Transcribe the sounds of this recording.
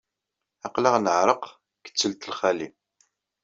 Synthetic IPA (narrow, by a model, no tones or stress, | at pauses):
ɑqlaʁnəʕɾˤəq | kə̥t͡sːəlt̪əlχælim